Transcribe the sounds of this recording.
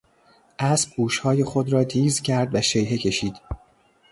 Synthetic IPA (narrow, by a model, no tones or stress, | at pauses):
ʔæsb̥̚ɡuːʃhɒːje̞xod̪ɾɒːt̪ʰiːzcʲʰæɾd̪væʃejɦe̞cʰe̞ʃiːd̪̥